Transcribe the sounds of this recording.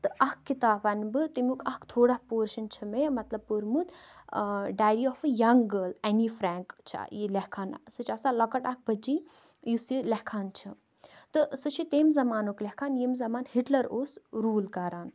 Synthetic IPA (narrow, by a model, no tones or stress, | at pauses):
t̪ɨʔɐkkːit̪aːfɐnbɨt̪imʲuːkʰɐkt̪ʰoːɽahpoːɾʃɐnt͡ʃʰimemɐt̪lɐb̚puɾmut̪ | ɖaːjɾiɔfɨjɐŋɡəːlɐnifɾaːŋkt͡ʃʰjilɛhkʰaːn̰sɨt͡ʃʰɐsalɐkɐʈɐk̚bɐd͡ʒi | jusilɐhkʰaːnt͡ʃʰi | t̪ɨsɨt͡ʃʰit̪eːmzɐmaːnoːklʲɐkʰaːnjemzɐmaːnhiʈlɐɾoːsɾuːlkɐɾaːn